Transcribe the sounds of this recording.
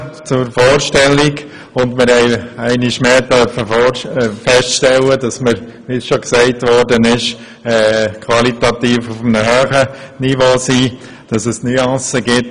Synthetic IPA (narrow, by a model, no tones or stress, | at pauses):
t͡sʊɾfoːɾʃtɛlːɪɡ | ʊndmɪɾhɛɪæɪnɪʃmeːtœɾfəfoɾfɛstʃtɛlədɑsməɾ | ʋisʃoksɛɪtʋɔɾdənɪʃ | ɛːkʰʋɑlitɑtiːfufənəhœːχənivoːsiː | d̥ɑsɛsnyɑ̃səɡɪt